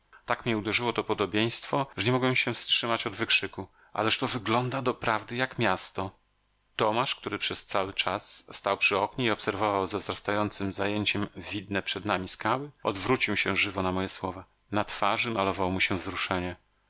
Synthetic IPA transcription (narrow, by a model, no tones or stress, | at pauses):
t̪akmɲɛud̪ɛʐɘwɔt̪ɔpɔd̪ɔbʲjej̃st̪fɔʐɛɲɛmɔɡwɛmɕɛfstʂɘmat͡ɕɔd̪vɘkʂɘku | ʔa̰lɛʂt̪ɔvɘɡlɔnd̪ad̪ɔpɾavd̪ɘjakmʲjast̪ɔ | t̪ɔmaʂk̚t̪uɾɘpʂɛst̪sawɘt͡ʂasːt̪awpʂɘɔkɲiiɔpsɛɾvɔvawzavzɾast̪ajɔnt̪sɘmzajeɲt͡ɕɛmvʲid̪nɛpʂɛd̪namʲiskawɘɔd̪vɾut͡ɕiwɕɛʐɘvɔnamɔjɛswɔva | nat̪faʐɘmalɔvawɔmuɕɛvzɾuʂɛɲɛ